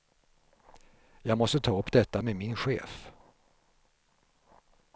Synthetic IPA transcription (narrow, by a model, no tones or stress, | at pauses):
jɑːɡmɔst̪ət̪ʰɑːɵpːd̪ɛt̪ːameːmɪnɧḛːf